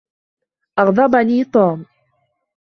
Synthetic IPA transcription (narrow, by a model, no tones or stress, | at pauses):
ʔɑɣd̪ˤɑbaniːt̪ˤuːm